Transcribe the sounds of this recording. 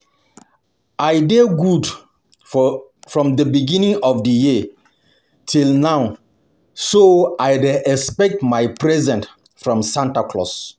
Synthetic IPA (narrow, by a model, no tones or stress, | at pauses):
ajdeɡud | fɹɔ̃mdəbiɡĩnĩŋɔfdəji | tʰilnaw | soajdɛspɛk̚tmajpɹɛzɛ̃nt | fɹɔ̃msãntakʰlɔ̰s